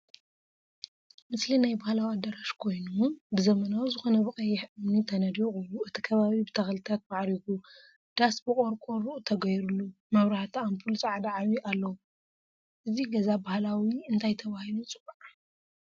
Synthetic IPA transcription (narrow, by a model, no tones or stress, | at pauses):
mɨslinajbahlawiad̪ɐɾaʃkʰo̞jnubɨzɐmɐnawzɨxo̞nɐβɨkʼɐjːɪħʔɨmnit̪ʰɐnɐd̪iɣʼuluɨt̪ʰi̥kʰɐβaβibɨt̪ʰɐxɐlɨt̪ʰat̪̚baʕɾiku | d̪̥asbɨkʼo̞ɾkʼo̞ɾuʔut̪ʰɐɡɐjɾulːu | mɐβɾaħt̪ʰiampʰult͡sʼaʕd̪aʕaβiʔalːɐwu | ʔɨziɡɐzabahlawiɨnt̪ʰajt̪ʰɐβahilut͡sʼɨbaʕ